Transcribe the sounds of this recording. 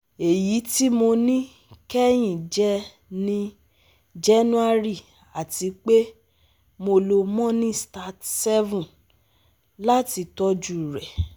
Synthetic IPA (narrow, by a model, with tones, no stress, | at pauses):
e˨ji˨˦ti˦mo˧nĩ˦ | kɛ˦j̃ĩ˦˨d͡ʒɛ˧ | nĩ˧ | d͡ʒɛ˦nũ˦a˦ɾi˦˨ | a˨ti˧˦k͡pe˦ | mo˧lo˧mɔ̃˦nĩ˦sta˦tsɛ˦vũ˦˨ | la˦ti˧tɔ˧d͡ʒu˦˨ɾɛ˨